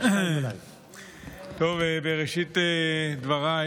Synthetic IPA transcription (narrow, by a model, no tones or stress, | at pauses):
t̪ovebeʁeʃit̪ed̪vaʁa